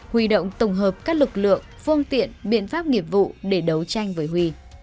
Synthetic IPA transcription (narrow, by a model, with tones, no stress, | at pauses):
hwi˧˩ɗə̰˧˨wŋ͡mt̪ə˧˩wŋ͡mɦəː˨˩p̚kaː˦˥k̚lɨ˨˩k̚lɨ̰˧˨əŋfɨ˧əŋt̪ḭ˧˨ənɓḭ˧˨ənfaː˦˥p̚ŋi˨˩əp̚vṵ˧˨ɗe˧˩ɗə˨˦wt͡ɕa˧jŋ̟vəː˨˦jɦwi˧